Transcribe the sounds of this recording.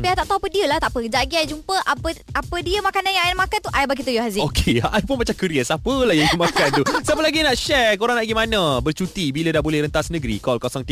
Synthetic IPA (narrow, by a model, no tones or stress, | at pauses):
piat̪aʔt̪aɦupədiəlaht̪aʔpəd͡ʒaɡiajd͡ʒumpəʔapəapədiəmakananjaŋjnmakant̪uʔajbaɡit̪ujuhazɪokʰeaajpunmat͡ʃamkəɾiəsapəlahjajəmakant̪usapəlaɡinaʔʃɛkoɾaŋnaʔɡimanãbərt͡ʃut̪ibilədaʔbolɛhɾənt̪asnəɡɾḭkɔlkosɔŋt̪i